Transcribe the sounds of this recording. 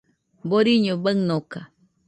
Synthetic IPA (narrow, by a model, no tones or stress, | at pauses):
boɾiɲobəŋnoka